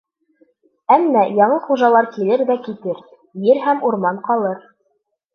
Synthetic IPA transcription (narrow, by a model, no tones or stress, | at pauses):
æmːæjɑɴɤχuʒɑlˠɑɾkilɘɾðækit̪ɘɾ | jɘɾhæmuɾmɑnqɑlˠɤɾ